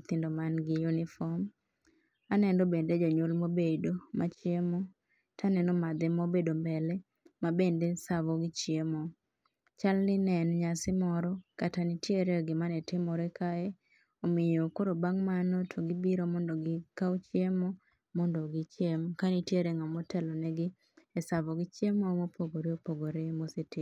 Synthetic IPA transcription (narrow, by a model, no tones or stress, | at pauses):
t̪ɪndomanɡɪjunɪfɔm | anɛndobended͡ʒɔɲolmobedomat͡ʃjemɔ | tʰanɛnɔmad̪ɛmobedombɛlɛ | mabendesavɔɡɪt͡ʃjemɔ | t͡ʃalnɪnɛnɲasɪmɔɾɔkatanɪtjeɾeɡɪmanɛtɪmɔɾekaɛ | omɪjokoɾobaŋmanotʰoɡɪbiɾomɔndoɡɪkawt͡ʃɪemɔ | mɔndoɡɪt͡ʃjemkanitjeɾeŋɔmɔtɛlɔnɛɡɪ | esavɔɡɪt͡ʃemomopʰoɡoɾeopoɡoɾemosetɪ